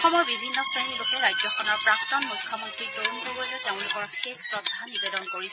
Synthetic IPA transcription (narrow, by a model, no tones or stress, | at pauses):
xɔmɔjbibʱinːɔsanilokɛɹajd͡ʒzɔxɔnɔɹpɹak̚tɔnmujkʰːɔmɔntɹitoɹuntobɔlɛteʊ̃lʊkɔɹkeksɹɔd̪ʱːanibedɔnkoɹisɛ